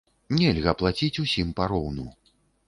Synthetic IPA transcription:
nʲɛlʲɣɐplˠat͡sʲit͡sʲusʲimpaɾɔwnu

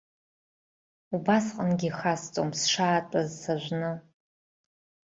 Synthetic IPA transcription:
ubasqʼənɡʲixast͡sʼo̰msʂaːtʼazsaʒʷnɨ

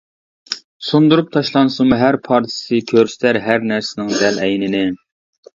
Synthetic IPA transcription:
sund̪uɾup̚t̪ʰɑʃlˠɑnsumuɦæɾpʰɑɾt̪ʰɪ̥sɨkʲʰøɾsɪ̥t̪ʰæɾɦæɾnæɾsɪnɪŋd̪ɛlɛjnɪnɪ

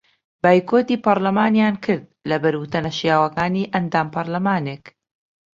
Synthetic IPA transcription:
baːjkʰoːt̪iːpɐɾlɐmaːnjaːnkʰɨɾd̪̚lɐbɐɾwʊt̪ɐnɐʃijaːwɐkaːniːʔɐnd̪aːmpɐɾlɐmaːne̞ːk

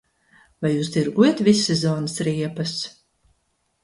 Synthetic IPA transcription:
vajːuːsd̪iɾɡujɛt̪visːɛzɔːnɨsɾiɛpɐs

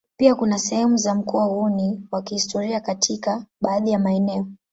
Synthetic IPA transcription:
piakunasɛhɛmuzam̩kuwauniwakihistɔɾiakatʰikaɓaːðijamaɛnɛɔ

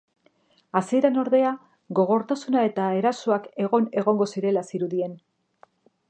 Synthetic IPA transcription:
asie̞ɾano̞ɾðe̞a | ɣo̞ɣ̞o̞ɾt̪asunae̞t̪aeɾasoake̞ɣo̞ne̞ɣo̞ŋɡo̞siɾe̞lasiɾuðie̞n

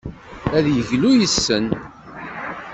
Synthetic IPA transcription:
æðjəʝlujəsːən

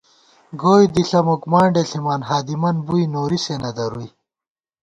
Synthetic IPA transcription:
ɡoːjd̪iɬɐmukmaːɳɖeɬimaːnɦaːd̪imɐnbujnoːɾisenɐd̪ɐɾuj

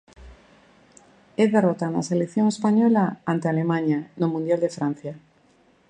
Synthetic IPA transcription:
eðerot̪ana̰selekθjoŋespaɲɔlaant̪ealemãɲanomũnd̪jald̪efɾan̟θja

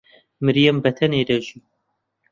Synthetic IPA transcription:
mɨɾijɛmbɐt̪ʰɐned̪ɐʒi

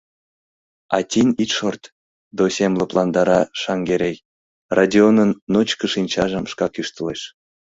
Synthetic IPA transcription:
ɑ̰tʲinʲit̪ʃort̪ | d̪osʲemləplɑnd̪ɑɾɑʃɑŋɡeɾʲej | rɑdʲionənːot͡ɕkəʃinʲt͡ɕɑʒəmʃkɑkyʃt̪əleʃ

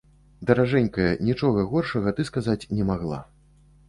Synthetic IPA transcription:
d̪ɐɾaʐɛnʲkɐjɛnʲit͡ʂɔɣɐɣɔrʂɐɣɐt̪ɨskazat͡sʲnʲɛmaɣlˠa̰

